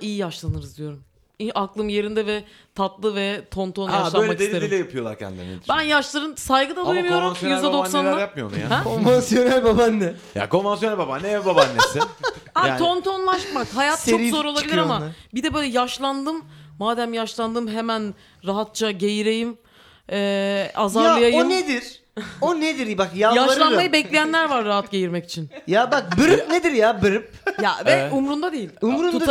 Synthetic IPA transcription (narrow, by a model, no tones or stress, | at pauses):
ijijaʃlˠanɯɾɯzd̪ijo̞ɾum | iaklˠɯmje̞ɾind̪ɛvɛ | t̪ʰat̪lˠɯvɛt̪ʰo̞nt̪ʰonjaʃlˠaøjlmaɛd̪elʲeɾilʲɛjapʰɯjo̞lˠaɾcʰɛ̰nd̪ḭmebænjaʃlˠaɾɯnsajɡɯd̪ad̪ujmujo̞ɾumjyzd̪ɛd̪ossanajap̚mɯjonṵja̰hɛkʰonvansjo̞nælʲbabanːɛ | ja̰ko̞nvansjoælʲbabanːɛbabanːesɪaaːo̞nt̪ʰo̞nlˠaʃmakhajat̪̚t͡ʃʰo̞ɾio̞ɾo̞lˠabilʲiɾaamabid̪ɛbøjlʲɛjaʃlˠand̪ɯmːaːd̪æmjaʃlˠand̪ɯmɦemæn | ɾaɦat̪̚t͡ʃʰaɟe̞jiɾejim | ɛːazaɾlaɯjajoɯned̪iɾ̥ | oned̪iɾbakjaljaʃlɾˠanmajɯbɛclʲejænlʲæɾvaɾːaɦat̪ɟe̞jiɾmɛci̥t͡ʃʰinjabak̚bɯɾɯpned̪iɾjabɯɾɯp̚javɛumɾund̪ad̪e̞jilʲumɾuu